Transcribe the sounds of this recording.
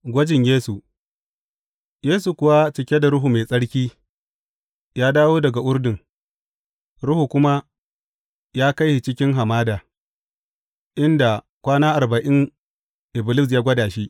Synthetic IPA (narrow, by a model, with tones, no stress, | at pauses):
ɡʷɐ˦d͡ʒɪ˨ɲjeː˦su˨ | jeː˦su˨kʷʊ˨wa˦t͡ʃɪ˨kʲe˦da˨ɾʊ˦ɦu˨meː˨sʼɐ˦ɽkʲiː˦ | jaː˦daː˦woː˦dɐ˨ɡa˨ʔʊ˦ɾdɪ˨ŋ | ɾʊ˦hu˨kʷʊ˦ma˦ | jaː˦ka˦jhi˨t͡ʃɪ˦kʲɪ˦ŋɦa˨maː˦daː˨ | ʔɪ˦nda˨ | kʷaː˦naː˦ʔa˨rba˨ʔɪ˦ŋ | ʔɪ˨blɪ˦s̬jaː˦ɡʷɐ˦daː˨ʃi˦ʔ